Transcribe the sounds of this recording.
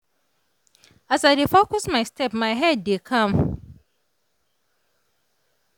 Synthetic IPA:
asaɾifokɔsmajstɛpmajɦɛddekʰam

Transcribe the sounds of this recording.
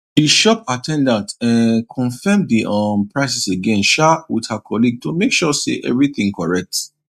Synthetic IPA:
diʃɔp̚atʰɛ̃ndãntɛ̃nkʰɔ̃nfɛmdiʔɔ̃npʰɹaɪsiseɡɛ̃nʃawidhakʰɔliɡ̚tumekʃɔsḛʔɛ̰vɹiθĩŋkɔɹɛk̚t

